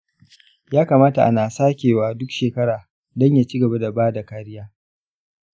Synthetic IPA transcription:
jaː˦kaː˨maː˦ta˨ʔa̰˦naː˨saː˦kʲeː˨waː˨dʊ˦kʃeː˨kɐ˦ɽaː˨ | dɔ˦ɲjaː˦t͡ʃi˦ɡɐ˨ba˦da˨baː˦da˨ka˦ɾɪ˦jaː˦

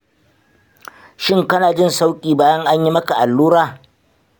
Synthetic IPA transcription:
ʃɪ˦ŋkɐ˦naː˨d͡ʒɪ˦˨nsa˦wkʲʼiː˨baː˦jɐ˦ŋʔa˦ɲji˦mɐ˦ka˨ʔa˨lːuː˦ɾaː˦˨

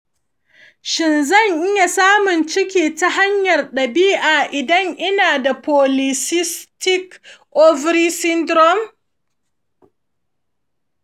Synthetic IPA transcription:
ʃɪ˨nzɐ˦˨ɲʔɪ˦ja˨saː˦mʊ˨nt͡ʃɪ˦kʲiː˨ta˦ɦa˦ɲjɐ˨rɗɐ˨biː˦ʔaː˨ʔɪ˨dɐ˦ŋʔɪ˦naː˨da˨pɔː˨lɪ˨sɪ˦stɪ˦kʔɔ˦vɾiː˦sɪ˦ndɾɔ˦m

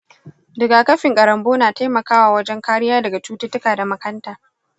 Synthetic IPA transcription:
dɪ˨ɡaː˨kɐ˦ɸɪ˨ŋkʼɐ˨ɾɐ˨mboː˦naː˨ta˦jmɐ˨kaː˦waː˨wɐ˦d͡ʒɛ˦ŋkaː˦ɽɪ˦jaː˦dɐ˨ɡa˨t͡ʃuː˦tɪ˦tʊ˦kaː˨da˨mɐ˦kɐ˦ntaː˨

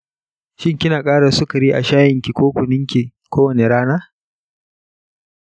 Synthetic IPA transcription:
ʃɪ˦ŋkʲɪ˦naː˨kʼaː˦ɽa˨sʊ˦kɐ˨ɾi˦ʔa̰˨ʃaː˦jɪ˨ŋkʲi˨kʷoː˦kʷʊ˨nɪ˦ŋkʲi˨ | kʷoː˦wɐ˨ne˨ɽaː˦naː˦

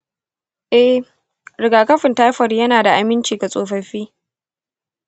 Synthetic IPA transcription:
ʔɛ˦h | ɾɪ˨ɡaː˨kɐ˦ɸɪ˨ntaː˦jɸɐ˨rjɐ˦naː˨da˨ʔa˨mɪ˦nt͡ʃiː˨ɡa˨sʼoː˨ɸɐ˦ɸiː˦

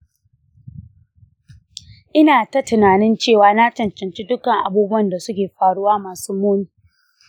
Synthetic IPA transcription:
ʔɪ˦naː˨tɐ˦tɪ˨naː˨nɪ˦nt͡ʃeː˦˨waː˨na˦t͡ʃɐ˨nt͡ʃɐ˨nt͡ʃi˦dʊ˦kɐ˨ŋʔa˨buː˦bʊ˦wɐ˨nda˨sʊ˦kʲeː˨ɸaː˨ɽʊ˦waː˦maː˨suː˦moː˦niː˨˦

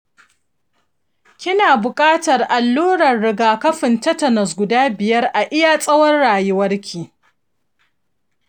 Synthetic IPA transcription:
kʲɪ˦naː˨bʊ˨kʼaː˦tɐ˨rʔa˨lːuː˦ɽɐ˨rːɪ˨˦ɡaː˨kɐ˦ɸɪ˨ntɐ˦tɐ˨nɐ˨s̬ɡʷʊ˨daː˦bɪ˨jɐ˦rʔa˨ʔɪ˦ja˨sʼɐ˦wɐ˦rːaː˨jʊ˦wɐ˦rkʲʰiː˨

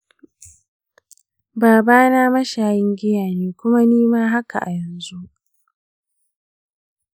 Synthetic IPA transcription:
baː˨baː˦naː˦mɐ˦ʃaː˨jɪ˦ŋɡʲɪ˦jaː˨niː˦kʷʊ˦ma˦niː˦maː˦ɦa˦ka̰˨ʔa˨jɛ˨nzu˦ʔ

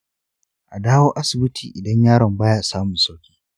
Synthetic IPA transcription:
ʔa˨daː˦woː˦ʔa˦sɪ˨bɪ˦tʰḭː˨ʔɪ˨dɐ˦ɲjaː˦ɽɐ˨mbaː˦ja˦˨saː˦mʊ˨nsa˦wkʲe̥ː˦

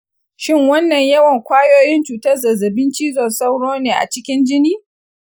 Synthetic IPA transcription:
ʃɪ˦ŋwɐ˦nːɐ˨ɲjɐ˦wɐ˨ŋkʷaː˦joː˦jɪ˦nt͡ʃuː˨tɐ˦rzɐ˨zɐ˨bɪ˦nt͡ʃiː˦zɔ˨nsa˦wɽoː˦neː˨ʔa̰˨t͡ʃɪ˦kʲɪ˦nd͡ʒɪ˦niː˦

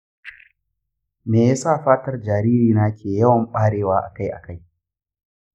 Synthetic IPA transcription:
meː˨jaː˦saː˦˨ɸaː˦tɐ˦rd͡ʒaː˨ɾiː˦ɾiː˨naː˦kʲʰeː˨jɐ˦wɐ˨mɓaː˦ɽeː˦waː˦ʔa̰˨ka˦jʔa̰˨ka˦j

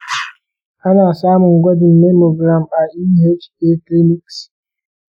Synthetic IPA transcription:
ʔa˦naː˨saː˦mʊ˨ŋɡʷɐ˦dɪ˨mːe˦mo˨ɡɾa˨ma˨ʔi˦˨he˦d͡ʒe˦tli˦nɪ˦ks

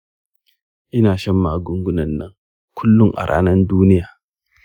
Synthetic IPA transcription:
ʔɪ˦naː˨ʃɐ˦mːaː˨ɡʊ˦ŋɡʷʊ˦nɐ˨nːɐ˦ŋ | kʷʰʊ˦lːʊ˦ŋʔa̰˨ɽʔa̰ː˦nɐ˦nduː˦nɪ˦jaː˨

